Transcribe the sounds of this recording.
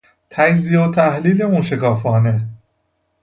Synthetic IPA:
t̪ʰækziːot̪ʰæhliːleunʃekʰɒːfɒːne

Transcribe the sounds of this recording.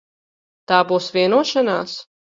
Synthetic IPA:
t̪aːbuːsvʲiɛnuɔʃanaːs

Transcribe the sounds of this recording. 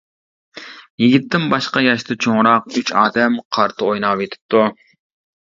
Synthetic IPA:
jiɡʲɪt̪ʰːɪmbɑʃqɑjɑʃt̪ʰɨt͡ʃʰoŋɾɑq̚yt͡ʃɑːd̪ɛmqʰɑɾt̪ʰɨojnɑwet̪ʰɪ̥p̚t̪u

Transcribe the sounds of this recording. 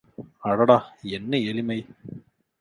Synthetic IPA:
ɐɽɐɽaenːɨelimɐj

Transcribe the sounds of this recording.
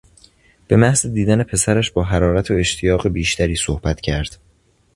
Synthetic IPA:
b̥e̞mæhzed̪iːd̪æne̞pʰe̞sæɾæʃbɒːɦæɾɒːɾæt̪ʰoe̞ʃt̪ʰijɒːɣe̞biːʃt̪æɾiːsohb̥æt̪ʰcʰæɾd̪̥

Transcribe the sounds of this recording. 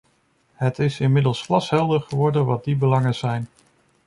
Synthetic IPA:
ɦətɪsɪnmɪdəlˠsflɑsɦɛlˠdəɹχəʋɔɹdənʋɑt̚dibəlɑŋəz̥ɛjn

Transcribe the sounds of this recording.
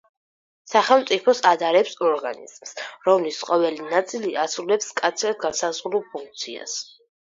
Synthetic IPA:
saχɛlˠmt̪sʼipʰɔsad̪aɾɛpsɔɾɡanḭz̥msɾɔmlisqʼɔvɛlinat̪sʼiliʔasɾulɛpskʼat̪sʰɾad̪̚ɡansazʁɾulˠpʰũŋk̚t̪sʰia̰s

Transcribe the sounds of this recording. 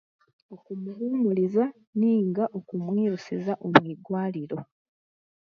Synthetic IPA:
okumuluːmuliza | niːŋɡaʔo̞kumwiːɾusizaʔomwiːdwaːliɾo̞

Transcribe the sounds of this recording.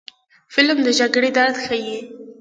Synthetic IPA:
fɪlmd̪əʒaɡɽed̪aɾt̪xaji

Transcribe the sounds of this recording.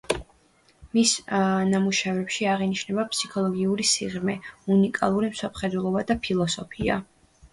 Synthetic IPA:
misnamuʃavɛpʃiaʁiniʃnɛbapʰsi̥kʰɔlˠɔɡiuɾisiʁmɛunikʼa̰lˠuɾimsɔpχɛd̪wɛlˠɔbad̪apʰilˠɔsɔpʰia̰

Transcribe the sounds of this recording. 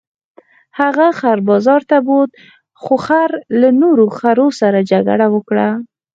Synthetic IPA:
haɣaxaɾbɑzɑɾt̪abod̪̚ | xoxaɾlanoɾoxaɾosaɾad͡ʒaɡa̰ɽawəkɽa

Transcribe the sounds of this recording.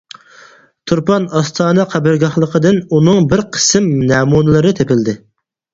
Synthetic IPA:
t̪ʰuɾpɑnɑst̪ʰɑːnɨqʰæbɪɾɡɑχlˠəqʰəd̪ɨnunɨŋbɪɾqʰə̥sɨmnɛːmunɨlˠɨɾɨt̪ʰepɪld̪ɪ

